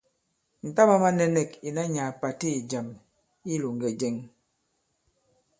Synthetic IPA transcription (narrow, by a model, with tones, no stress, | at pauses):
n̩˨ta˦ma˦ma˦nɛ˦nɛ˦ki˨na˦ɲa˨pa˨ti˦i˨d͡ʒa˨m | i˦lu˨ŋ˨ɡɛ˨d͡ʒɛ˦ŋ